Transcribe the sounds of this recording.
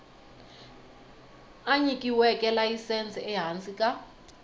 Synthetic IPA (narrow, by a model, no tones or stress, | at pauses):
aɲikʼiwɛkʼɛlajisɛnt͡sʼɛɛɦant͡sʼikʼa